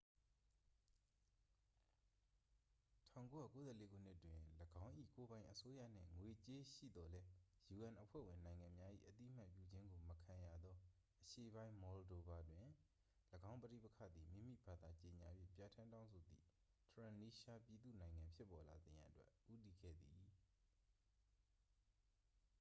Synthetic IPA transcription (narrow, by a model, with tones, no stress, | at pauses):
tʰã̰˦˨ko˦ja̰˦˨ko˦zɛ̰˦˨le˨˦ɡṵ˦˨n̥ɪ˦ʔtːwɪ̃˨ləɡã˦ʊ̃ʔḭ˦˨ko˦bã˦ɪ̃ʔəso˦jä̰˦˨n̥ɪ̰̃˦˨ŋwe˨t͡ɕe˦ʃḭ˦˨d̪ɔ˨lɛ˦ju˨ʔã˨nʔəpʰwɛ̰˦˨wɪ̃˨nã˨ɪ̃ŋã˨mja˦ʔḭ˦˨ʔət̪ḭ˦ʔəm̥a˦ʔpjṵ˦˨d͡ʑɪ̃˦ŋɡo˨məkʰã˨ja˨d̪ɔ˦ | ʔəʃe˦˨bã˦ɪ̃mɔ˨ldo˨ba˨dwɪ̃˨ | ləɡã˦ʊ̃mpətḭ˦˨pə˦kʰä̰˦˨d̪i˨mḭ̃˦˨mḭ˦˨ba˦˨d̪a˨t͡ɕe˨ɲa̰˨bjḭ˦˨pja˨tʰã˦ntã˦ʊ̃nsʰo˨d̪ðḭ˦˨ | tʰɹã˨ni˦ʃa˦pji˨d̪ṵ˦˨nã˨ɪ̃ŋã˨mpʰjɪ˦pːɔ˨la˨zɪ̃˨jã̰˨ʔtwɛ̰˦ʔu˦ti˨ɡɛ̰˦˨d̪ði˨